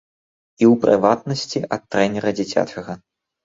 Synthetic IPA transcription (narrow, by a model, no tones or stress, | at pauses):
iwpɾʔɨ̰vat̪nɐsʲt͡sʲiʔɐt̪ːɾɛnʲɛɾɐd͡zʲit͡sʲa̰t͡ʂɐɣɐ